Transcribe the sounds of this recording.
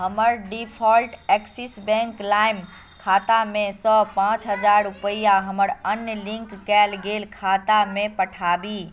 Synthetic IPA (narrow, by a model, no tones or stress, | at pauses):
ɦəməɾɖipʰɔlʈɛksisbɛ̃ŋklajm | kʰat̪amesɔpãt͡ʃɦəd͡ʒaɾupəijaɦəməɾənjəlĩŋkːɛlɡelkʰat̪amepəʈʰabi